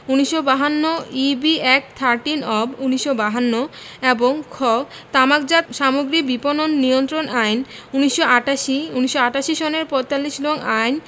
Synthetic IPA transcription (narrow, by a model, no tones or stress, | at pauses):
uniʃːobaɦanːoibiɛk̚t̪ʰaɾʈinɔbuniʃːobaɦanːo | eboŋkʰɔbt̪amakd͡ʑaʃamoɡɾik̚bipononːijont̪ɾonʔajnuniʃːoaʈaʃiuniʃːoaʈaʃiʃɔneɾpɔjt̪alːiʃlonajn